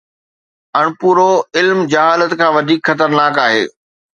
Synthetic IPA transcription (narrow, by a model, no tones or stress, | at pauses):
ɐɽ̃puːɾoɪlmd͡ʑɐɦaːlət̪kʰãːʋɐd̪ʱiːkxɐt̪əɾnaːkaːɦḛː